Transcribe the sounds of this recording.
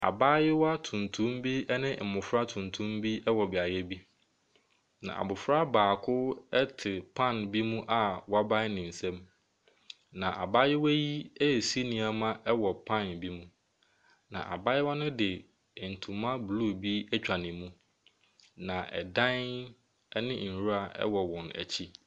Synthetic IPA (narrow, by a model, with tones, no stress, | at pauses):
a̰˨baː˦jɪ˦wa˦tʰũ˨n˨tʰũ˦mbi˦ɛ˦nɪ̃˦m̩˨mʊ̃˨fɾa˦tʰũ˨ntʰũ˦mbi˦ɛ˦wɔ˨bɪ˨a˨jɛ˦bi˦ | nã̰˨ʔa̰˨bʊ˨fɾa˦baː˨kʰʊ˦ɛ˦tʰɪ˨pʰã˦˨nbi˦mũ˦ʔa˨wɔ˨˦a˦bã˦nɪ̃˨n̩˨sɛ̃˦m | nã˨ʔa̰˨baː˦jɪ˦wæ˦ji˦ɛ˦˨si˦nĩ˨a˨mã˦ʔɛ˦wɔ˨pʰã˦˨nbi˦mũ˦ | nã̰˨ʔa̰˨ba˦jɛ˦wɔ˦nʊ̃˦dɪ˨ | n̩˨tʰũ˨mːã˦blu˦˨bi˦ɛ˦t͡ɕᶣa˨nɪ̃˨mũ˦ | nã˨ʔɛ̰˨dã˦n | ɛ˦nɪ̃˦n̩˨ɾu˦a˨ʔɛ̰˦wɔ˨wɔ̃˨næ̰˨t͡ɕʰi˦